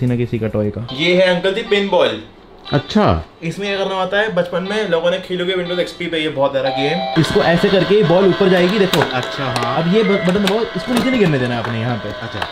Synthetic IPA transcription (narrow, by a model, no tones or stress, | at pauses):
inɐkɪsikaʈɔːekaːjeːɦɛɐ̃ŋkəlt̪ipeːnbɔːl | ɐ̰tːʃʰa̰ːɪsmẽjeɐɡɐɾnaaːt̪aɦɛbɐt͡ʃpənmẽloːɡõnekʰeːloɡeʋɪ̃ɳɖoːzeːkspipejebɔːt̪zjaːd̪aɡeːmɪskoʔɛːsekɐɾkebɔːluːpəɾd͡ʒaːeɡid̪eːkʰoːɐtːʃʰaɦãɐbjebɐbɐʈə̃nd̪ɐbaːoɪskoniːt͡ʃenẽĩɡɪɾned̪eːnaaːpnejɐɦãpḛɐtːʃʰa̰ː